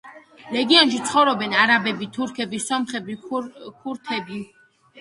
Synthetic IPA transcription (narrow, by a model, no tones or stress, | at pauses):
ɾɛɡiɔnʃit̪sʰχɔvɾɔbɛnaɾabɛbit̪ʰuɾkʰɛbisɔmχɛbikʰuɾt̪ʰɛbi